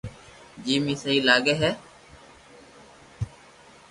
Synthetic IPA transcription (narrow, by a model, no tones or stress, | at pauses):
d͡ʒiːmĩːsəɦiːlaːɡeːɦɛː